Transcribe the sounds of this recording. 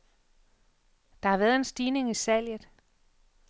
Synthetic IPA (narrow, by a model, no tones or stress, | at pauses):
d̥ɑ̈hɑ̈ʋæːɐð̞̩ˠe̝nsd̥iːne̝ŋisæl̰jð̩ˠ